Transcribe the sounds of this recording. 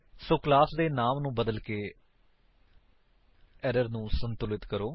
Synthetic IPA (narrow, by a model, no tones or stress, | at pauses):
soːklaːsd̪eːnaːmnũːbəd̪əlkeː | ɛːɾəɾnũːsənt̪ʊlɪt̪kəɾoː